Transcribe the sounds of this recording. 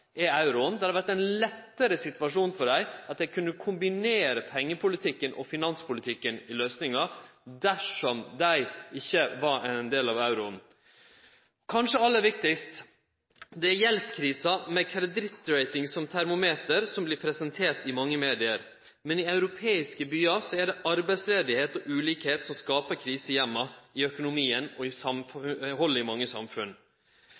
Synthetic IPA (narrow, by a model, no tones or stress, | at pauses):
ɛɑʉɾʊənd̪ɛhɑɾʋæʈ̪ːæɪnlɛt̪ːəɾəsɪt̪ʋɑʂuːnfɔɖæɪɑt̪̚j̪æɪkʰʉnːəkʰʊmbɪneːɾəpʰɛŋːəpʰʊlɪt̪ʰɪkːənʔɔ̰fɪnɑnspʰʊlɪt̪ʰɪkːənɪløːsnɪŋɑd̪æʂɔmd̪æɪɪçːəʋɑɾænd̪eːlɑʋɑʉɾʊən | kʰɑnʂəɑlːəʋɪk̚t̪ɪkst̪ | d̪ɛæɾjɛlskʰɾiːsɑmɛkʰɛld̪ɾɪt̪ːɾæɪt̪ɪŋsɔmt̪ʰæɾmʊmeːt̪əɾsɔmblɪpʰɾɛsɛnt̪ʰeːɾt̪ɪmɑŋːəmeːd̪ɪəɾ | mɛnɪɑʉɾʊpʰeːɪskəbyːɑsɔæɖɛʔɑɾbæɪsleːd̪ɪheːt̪ɔʔʉːliːkheːt̪sɔmskɑːpəɾkʰɾiːsəjɛmːɑɪœkʊnʊmiːənɔɪsɑmfhɔlːəɪmɑŋːəsɑ̰mfʉn